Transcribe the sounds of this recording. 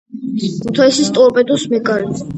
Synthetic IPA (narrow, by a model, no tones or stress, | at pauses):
kʰut̪ʰaisist̪ʼɔɾpʼɛd̪usmɛkʼaɾi